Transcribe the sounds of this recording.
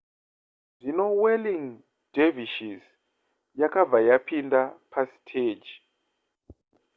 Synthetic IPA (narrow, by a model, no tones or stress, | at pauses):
zinowɛliŋ | d̥eviʃiz | jakʰavajapʰindʱapʰastʰed͡ʒi